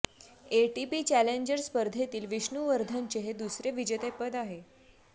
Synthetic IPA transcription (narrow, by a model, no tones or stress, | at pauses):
eʈipiːt͡ɕæleɲd͡ʑəɾspəɾd̪ʱet̪iːlʋiɕɳuʋəɾd̪ʱəɲt͡ɕeɦed̪usɾeʋid͡ʑət̪epəd̪aɦe